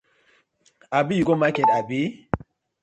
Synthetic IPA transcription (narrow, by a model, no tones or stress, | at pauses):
abijuɡomakɛdabi